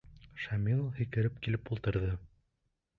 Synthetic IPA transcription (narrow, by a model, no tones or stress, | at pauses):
ʃæmʲilˠhĭkɘ̆ɾɘp̚kilɘpulˠt̪ɤ̆ɾðɤ